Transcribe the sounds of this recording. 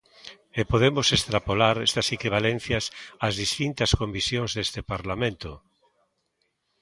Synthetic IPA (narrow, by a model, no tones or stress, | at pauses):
epoðemʊsest̪ɾapolaɾɛst̪ɐsekiβ̞alẽnθjɐsazðist̪int̪ɐskombisjoŋzðest̪epaɾlamẽnt̪ʊ